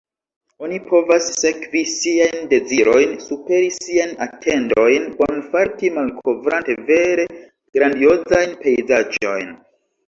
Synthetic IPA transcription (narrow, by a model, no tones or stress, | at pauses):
o̞nipʰo̞vasːe̞kvisiajnde̞ziɾo̞jnsupe̞ɾisiajnatʰe̞ndo̞jnbonfaɾtimalkʰo̞vɾante̞ve̞ɾe̞ | ɡ̥ɾandio̞zajnpe̞jzad͡ʒo̞̰jn